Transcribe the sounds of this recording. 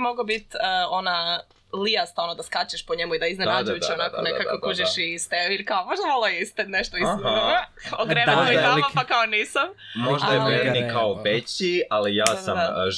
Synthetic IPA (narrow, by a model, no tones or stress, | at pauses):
moɡobit̪ːo̞na | liast̪aonod̪askat͡ɕeʃpoɲemuid̪aiznenad͡ʒujut͡ʃonakonekakokuʒeʃist̪eoiɾkaomoʒd̪amolˠajist̪ed̪neʃt̪ois | oɡɾemeoibamapakaoniːsammo̞ʒd̪ajemeɾnikaoʋet͡ɕialijaːsam